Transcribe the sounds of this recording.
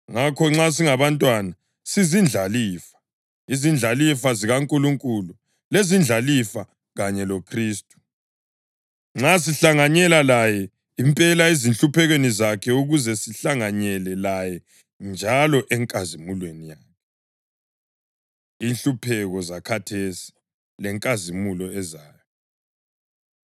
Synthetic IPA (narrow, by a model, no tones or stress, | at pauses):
ŋakʰɔŋ͡ǁas̬iŋaβantʼwana | sizind͡ɮʱaliːfḁ | izind͡ɮʱalifaziɣaŋkʼuluŋkʼulu | lezind͡ɮʱalifa | ɣaɲɛlokʰriːstʼu̥ | ŋ͡ǁas̬iɬaŋaɲɛlalajɛ | impʼɛlaizinɬupʰɛɣwenizakʰɛuɣuzɛsiɬaŋaɲɛlɛlajɛ | nd͡ʒʱalɔʔɛŋkʼazimulwenijaːkʰɛ | iːnɬupʰɛɣɔzakʰatʰesi̥ | lɛŋkʼazimulɔɛzaːjɔ